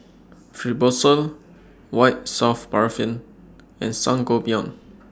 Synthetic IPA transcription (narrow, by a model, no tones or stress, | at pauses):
fɹibosəl | waɪt̚safbaɹfĩn | ɛ̃nsãŋɡobiɔ̃n